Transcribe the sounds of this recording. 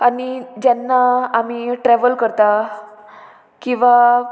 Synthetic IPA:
anid͡ʑanːaamiʈɾɛʋəlkəɾt̪a | kĩʋa

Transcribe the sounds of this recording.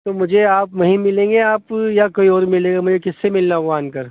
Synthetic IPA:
t̪oːmʊd͡ʒʱeaːpʋɐɦĩmɪlẽːŋɡeaːpjakoːiɔːɾmɪlẽːɡamʊd͡ʒʱekɪsːemɪlnaoɣaːnkɐɾ

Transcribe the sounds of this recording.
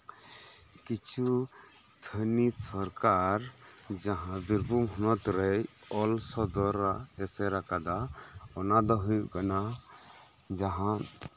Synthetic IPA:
kit͡ʃʰu | t̪ʰənit̪sɔɾkaɾd͡ʒaɦãbiɾbʱumɦɔnɔt̪ɾɛjɔlsɔd̪ɔɾaɛsɛɾakad̪aɔnad̪ɔɦujʔkana | d͡ʒaɦã

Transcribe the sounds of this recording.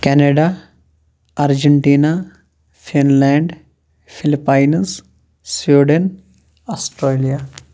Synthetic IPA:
kɛneɖa | aɾd͡ʒeɳʈiːna | fʰinlɛːɳɖ | fʰilipːajns | sʋiːɖen | ɔsʈɾeːlija

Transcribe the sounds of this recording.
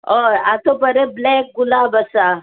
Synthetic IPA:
oat̪opəɾeblɛk̚ɡulabəsa

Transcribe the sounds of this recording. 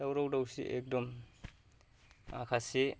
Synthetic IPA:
dawɾawdawsḭʔek̚dɔm | a̰kʰase

